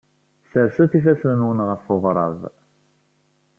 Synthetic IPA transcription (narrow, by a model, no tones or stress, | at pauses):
səɾsuθifæsənwənʁəfʊʁɾˤɑ̰ðˤ